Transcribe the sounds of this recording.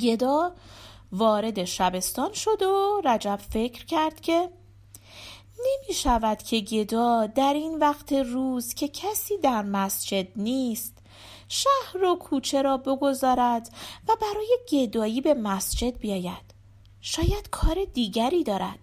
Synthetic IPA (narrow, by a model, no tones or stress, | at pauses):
ɟe̞d̪ɒː | vɒːɾe̞d̪e̞ʃæbe̞st̪ɒːnʃo̞d̪oræd͡ʒæb̥fe̞cʰɾcʰæɾd̪̥cʰe̞ | ne̞miːʃævæd̪̥cʰe̞ɟe̞d̪ɒːd̪æɾiːnvæɡt̪ʰe̞ruːzcʰe̞cʰæsiːd̪æɾmæsd͡ʒe̞d̪niːst̪ | ʃæhɾokʰuːt͡ʃʰe̞ɾɒːbo̞ɡo̞zɒːɾæd̪væbæɾɒːje̞ɟe̞d̪ɒːjiːbe̞mæsd͡ʒe̞d̪̚bijɒːjæd̪̥ | ʃɒːjæd̪̥kʰɒːɾe̞d̪iːɟæɾiːd̪ɒːɾæ̰d̪̥